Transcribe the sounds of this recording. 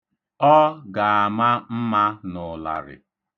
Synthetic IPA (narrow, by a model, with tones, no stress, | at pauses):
ɔ˦ɡa˨a˨ma˦m̩˦ma˦nʊ˨la̰˨ɾɪ̰˨